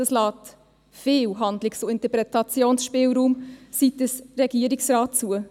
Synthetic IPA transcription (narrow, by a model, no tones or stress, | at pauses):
əslɑːt | feːlɦɑndlɪksuɪntəpɾɛtɑt͡sjoːnsʃpeːlɾuːmsitəsɾɛɡ̥iəɾɪksrɑːtt͡suə